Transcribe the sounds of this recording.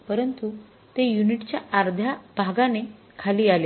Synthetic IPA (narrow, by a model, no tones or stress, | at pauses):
pəɾənt̪u | t̪ejuniʈt͡ɕjaːɾd̪ʱjab̥ʱaɡane | kʰaliːale